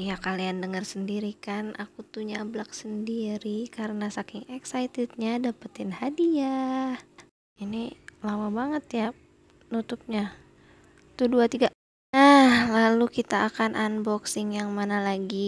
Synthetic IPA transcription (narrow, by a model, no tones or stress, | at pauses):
jakaliandəŋərsəndiɾikanʔakut̪uɲablak̚səndiɾikaɾənasakɪŋɛksajt̪ɪt̪̚ɲadapət̪ɪnhadia | inilamabaŋət̪ja | nut̪up̚ɲa | t̪uduat̪iɡa | nahlalukit̪aʔːkanʔanbɔksɪŋjaŋmanalaɡi